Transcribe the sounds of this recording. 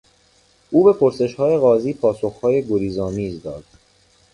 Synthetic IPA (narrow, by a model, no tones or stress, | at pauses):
ʔuːbe̞pʰo̞ɾse̞ʃhɒːje̞ɣɒːziːpʰɒːso̞xhɒːje̞ɡoɾiːzɒːmiːzd̪ɒːd̪̥